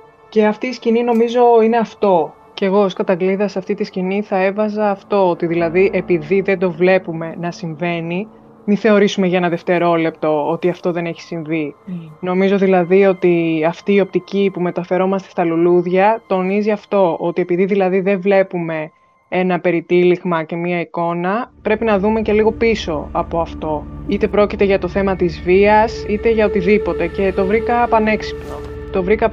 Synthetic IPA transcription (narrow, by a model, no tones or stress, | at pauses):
ce̞ɐft̪iːscinino̞mizo̞ineɐft̪o̞ | ce̞ɣo̞skɐt̪ɐɡliðɐsɐft̪it̪isciniθɐe̞vɐzɐːft̪o̞ot̪iðilɐðiʔepiðiðe̞d̪o̞vle̞pume̞nɐsiɱve̞ni | miθe̞o̞ɾisume̞ʝɐe̞nɐðeft̪e̞ɾo̞le̞p̚t̪o̞o̞t̪iɐft̪o̞ðe̞ne̞çi̥siɱvino̞mizo̞ðilɐðio̞t̪iɐft̪iːo̞p̚t̪icipume̞t̪ɐfe̞ɾo̞mɐst̪est̪ɐluluðʝɐt̪o̞niziɐft̪o̞ʔo̞t̪ie̞piðiðilɐðiðe̞vle̞pume̞ | e̞nɐpe̞ɾit̪iliɣmɐce̞miɐiko̞nɐpɾe̞pinɐðume̞ce̞liɣo̞piso̞ɐpo̞ɐft̪o̞it̪e̞pɾo̞cit̪e̞ʝɐt̪oθe̞mɐt̪izviɐsit̪e̞ʝɐot̪iðipo̞t̪e̞ce̞t̪o̞vɾikɐpɐne̞ksi̥pno̞ | t̪o̞vɾikɐ